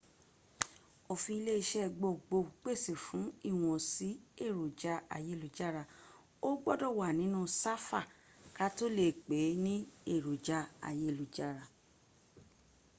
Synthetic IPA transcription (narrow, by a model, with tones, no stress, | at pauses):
o˧˨fĩ˧i˧le˦i˧ʃɛ˦˨ɡ͡bo˧˨ɡ͡bo˧˨k͡pe˦˨si˨fũ˨˦i˦˨w̃ɔ̃˧si˨˦e˦˨ɾo˨d͡ʒa˧a̰˨je˨˦˨lu˨d͡ʒa˦˨ɾa˧˨ | o˦ɡ͡bɔ˦dɔ˦˨wa˨nĩ˨˦nũ˦sa˦fa˦˨ | ka˦to˦le˦˨k͡pe˨˦nĩ˦e˦˨ɾo˨d͡ʒa˧˦a̰˨je˦˨lu˨d͡ʒa˦˨ɾa˧˨